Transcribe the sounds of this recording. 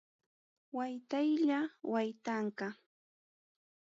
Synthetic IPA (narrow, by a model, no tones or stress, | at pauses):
wajt̪ajʎawajt̪aɴkɑ